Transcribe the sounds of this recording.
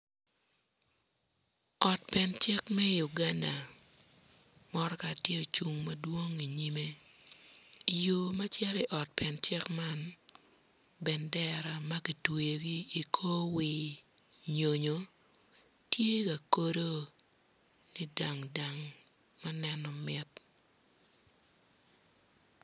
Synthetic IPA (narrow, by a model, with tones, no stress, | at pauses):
ɔ˨t̚pɛ˨nt͡ʃɪ˦kmɛ˦ju˨ɡa˦nda˨ | mɔ˦ɾɔ˦ka˨tje˦o˨t͡ʃu˨ŋma˦dwo˦ŋi˨ɲi˦me˦ | jo˨ma˦t͡ʃɛ˦ɾɪ˦ʔɔ˨t̚pʰɛ˨nt͡ʃɪ˦kma˦n | bɛ˨ndɛ˦ɾa˨ma˦ki˨twe˨jo˨ɡi˦i˨kʰo˦wɪ˨ | ɲo˨ɲo˨ | tje˦ka˨ko˦ɾo˦ | ni˦da˨ŋda˨ŋ | ma˦nɛ˦nɔ˨mɪ˦t